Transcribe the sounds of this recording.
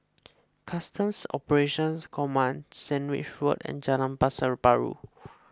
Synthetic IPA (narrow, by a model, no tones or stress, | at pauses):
kʰastə̃msɔpəɹeʃɔ̃nskʰɔmãnsɛ̃nwḭt͡ʃɹutɛ̰̃nd͡ʒalãnpasəɹbaɹṵ